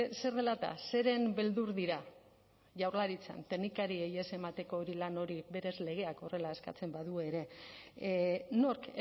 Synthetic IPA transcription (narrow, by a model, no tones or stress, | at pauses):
se̞ɾðe̞lat̪a̰se̞ɾe̞mbe̞ld̪uɾðiɾa | ʝawɾlaɾit͡sa̰nt̪e̞knikaɾieje̞se̞mat̪e̞ko̞ːɾilano̞ɾiβe̞ɾe̞zle̞ɣ̞e̞ako̞re̞lae̞ska̰t͡se̞mbaðueɾe̞ | no̞ɾk